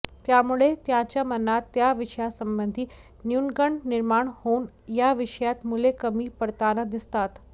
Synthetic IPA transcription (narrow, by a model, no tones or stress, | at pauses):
t̪jamuɭet̪jãt͡ɕjamənat̪ːjaʋiʂəjasəmbənd̪ʱiː | njunɡəɳɖniɾmaɳhon | jaʋiʂəjat̪mulekəmiːpəɽt̪anəd̪ist̪at̪